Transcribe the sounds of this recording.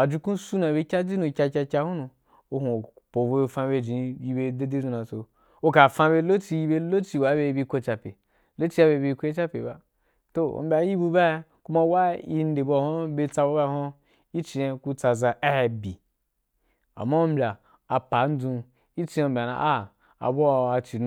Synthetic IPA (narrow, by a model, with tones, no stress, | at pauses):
a˨d͡ʒi˧kũ˦su˦na˨be˧˦kʲa˦d͡ʒi˦nũ˧kʲa˧kʲa˧kʲa˧hu˦nũ˧ | o˧hu˨ | po˨bo˧fã˧be˧d͡ʒĩ˨˦ji˧be˧de˦di˦d͡ʒũ˧nã˨t͡so˧ | o˦ka˨fã˧be˧˦lo˦t͡ʃi˧ji˦be˧lo˦t͡ʃi˧wa˨˦be˧bi˧˦ko˧t͡ʃa˧pʲḛ˨ | lo˦t͡ʃi˦a˦be˧˦bi˧kʷo˦e˦t͡ʃa˦pʲḛ˨ba˨ | to˨o̰˨m˦bʲa˧˦ji˦bu˧ba˦ | ku˦ma˦wa˦i˦n˦de˨bo˧˨ho˦be˧t͡sa˧bo˦ba˦˨ho˦ | i˦t͡ʃi˧a˧ku˦t͡sa˧za˧a˦he˧bi˨ | a̰˨mːa˦o˦m̩˦bʲa˨ | a˨pa˨˦n̩˦d͡zũ˧ | i˦t͡ʃi˧˦a˨˧˨m̩˦bʲa˨na̰˧˨ʔa˦˨ | a̰˨bo˦a˨˧a˧t͡ʃi˨˧